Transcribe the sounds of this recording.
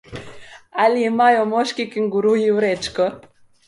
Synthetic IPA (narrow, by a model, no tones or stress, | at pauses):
aliemajɔmɔʃkikiŋɡuɾujiuɾɛt͡ʃkɔ